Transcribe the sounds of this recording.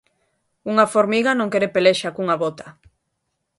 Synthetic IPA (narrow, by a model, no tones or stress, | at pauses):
uŋafoɾmiɣanõŋkeɾepeleʃakuŋaβot̪a